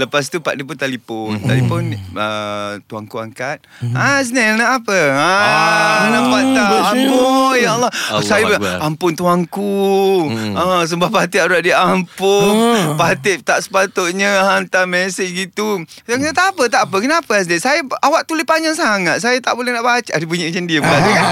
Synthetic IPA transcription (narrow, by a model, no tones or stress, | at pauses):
ləpas̬t̪upa̰ʔdiput̪alipɔnt̪alipɔnət̪uaŋkua̰ŋkat̪̚ | as̬nɛlnaʔapəa | naʔpant̪amponjaɔlːɔsajabəampʊnt̪uaŋku | əs̬əmbahpat̪ɪʔaɾaʔ̚diampʊnpat̪ɪʔt̪aʔsə̥pat̪oʔɲəɦant̪amɛsɪɡit̪u | aŋsajat̪apət̪aʔpəkənapəasnɛsajaawaʔt̪ulɪpaɲd͡ʒaŋsaŋat̪̚sajat̪aʔbolɛhnaʔbat͡ʃaʔadibuɲiʔt͡ʃandiəbəkaʔ